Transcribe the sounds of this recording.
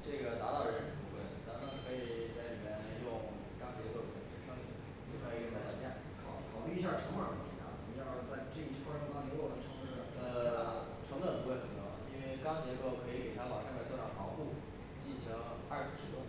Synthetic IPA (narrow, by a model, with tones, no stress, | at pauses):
ʈ͡ʂɤ˥˩ɡə˩t͡sa˧˥t̪ɑ˥˩ʊɻə˧˥˧pu˥˩fə̰˥˩nt͡sa˧˥mə˥ŋkʰɤ˧˥i˨˩t͡sa˥˩ɪli˨˩mjɛ˥˧njʊ˥˧ŋ | kɑ˥ŋt͡ɕjɛ˧˥kkʰɤ˧˥˩i˧˩ʂɻ̩˥˩ʂɤ˥ŋi˥˩t͡ɕʰi˧˩˥i˥kʰə˧˥˩t͡sa˨˩t̪ɑ˥˧˩t͡ɕjɛ˥˩n | kʰɑ˨˩ʊkʰɑ˨˩ʊp̪i˥˧i˥ɕ̬ja˥˩ʈ͡ʂʰɤ˧˥ŋwə˞˨˩k̪ə˧˥ke˨˩t̪ʰa̰˥˨˩ɑ˥˩˥t͡sa˥˧ɪʈ͡ʂɤ˥˧i˥˩t͡ɕʰo˥˩fa˥ljo˧˥˩wɔ˨˩˦ʈ͡ʂʰŋ˥˨˩ə˧˥˧ | ʈ͡ʂʰɤ˧˥ŋlə˥˩pu˧˥xwe˥˩ɪxə˨˩nt̪wɔ̰˥˨˩i˥nwe˥˩ɪkɑ˥ŋt͡ɕjɛ˧˥ko˥˩ʊkʰɤ˧˥i˨˧˩ke˨˩ɪt̪ʰa˥lɑ˨˩ʊʂa˥kt͡swʈ͡ʂɑ̰˥˩xɑ˧˥ʊpu˥˩ | t͡ɕi˥˩nt͡ɕʰi˧˥ŋ | a˞˥˧˩ʂsɹ̩˥˧˩ʂɻ̩˥˩ʈ͡ʂʊ˥ŋ